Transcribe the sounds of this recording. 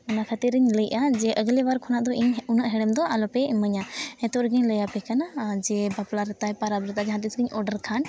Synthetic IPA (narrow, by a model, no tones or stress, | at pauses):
ɔnakʰat̪iɾəɲləjʔad͡ʒɛʔəɡlɛʋaɾkʰɔnaʔd̪ɔiɲʊnəʔɦɛɽɛmd̪ɔʔalɔpɛməɲaɛ̃t̪oɾɡəɲləjapɛkɐnad͡ʒɛbaplaɾɪt̪ajpaɾabɾɪt̪ad͡ʒɛɦãt̪isɡəɲɔɖəɾkʰan